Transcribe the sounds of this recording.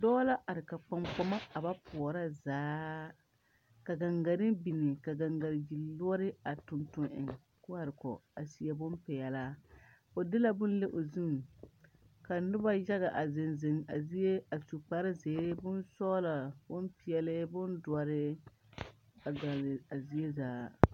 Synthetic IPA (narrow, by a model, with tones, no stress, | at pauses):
dɔː˦la˦ʔa˨ɾɪ˨ka˨k͡pa˨mk͡pɔ˦ma˦a˨ba˦pʰʊ˨ɔ˨ɾa˦zaː˨˦ | ka˨ɡa˨ŋɡa˨ɾɪ˦bi˨nɪ˨ka˨ɡa˨ŋɡa˨ɾɪ˨d͡ʒi˨lʊ˦ɔ˦ɾɪ˦a˨tʊ˨ntʊ˨nʔɪ̰˨ŋ | kʊ˦a˨ɾɪ˨kɔ̰˨a˨si˨ɛ˨bʊ˦mpɛ˨jɛ˨la˦ | o˨dɪ˦la˦bʊ˦n˦le˦ʔo˨zu˦m | ka˨nʊ˦ba˦ja˦ɣa˨ʔa˨zɪ˨nzɪ˨ŋa˨zi˦e˦a˨su˨k͡pa˨ɾɪ˦zeː˨˦bʊ˦nsɔː˦la˨bʊ˦npi˨jɛ˨lɪ˦bʊ˦ndʊ˨a˨ɾɪ˦ | a˨ɡa˨la˨zi˦e˦zaː˨˦